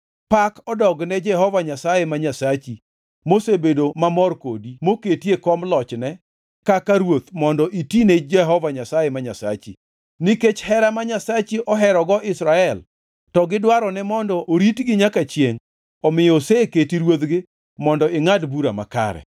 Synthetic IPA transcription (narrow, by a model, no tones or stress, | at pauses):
pakɔdɔɡnɛd͡ʒɛɦɔvaɲasajemaɲasat͡ʃi | mosebedomamɔrkodimoketiekɔmlɔt͡ʃnɛ | kakaɾwot̪mɔndɔʔitined͡ʒɛɦɔvaɲasajɛmaɲasa̰t͡ʃi | niket͡ʃhɛɾamaɲasat͡ʃiʔɔɦɛɾɔɡɔʔɪsɾaɛl | tɔɡɪdwaɾɔnɛmɔndɔʔoɾitɡɪɲakat͡ʃjeŋ | ɔmɪjɔseketiɾwot̪ɡɪ | mɔndɔɪŋadbuɾama̰ka̰ɾɛ̰